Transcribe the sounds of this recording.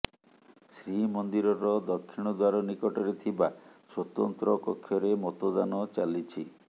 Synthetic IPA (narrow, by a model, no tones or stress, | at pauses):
sɾimɔnd̪iɾɔɾɔd̪ɔkʰːiɽ̃ɔd̪waɾɔnikɔʈɔɾet̪ʰibaswɔt̪ɔnt̪ɾɔkɔkʰːjɔɾemɔt̪od̪anɔt͡ʃalit͡ʃʰi